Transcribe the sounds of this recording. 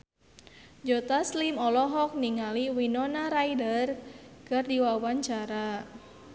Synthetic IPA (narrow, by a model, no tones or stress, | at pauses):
d͡ʒɔt̪aslimɔlɔɦɔk̚niŋaliwinɔnaɾaidərkɨrdiwawaɲt͡ʃaɾa